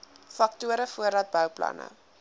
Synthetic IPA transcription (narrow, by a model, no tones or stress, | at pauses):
fɐk̚tuəɾəfuəɾɐt̚bœwplɐ̰nə̰